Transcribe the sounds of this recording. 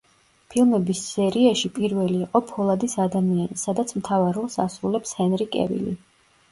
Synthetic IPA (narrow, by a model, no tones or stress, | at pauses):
pʰilˠmɛbisːɛɾiaʃipʼiɾvɛliːqʼɔpʰɔlˠad̪isad̪amianisad̪at̪sʰmt̪ʰavaɾɔlˠsasɾulɛpshɛnɾikʼɛ̰vḭlḭ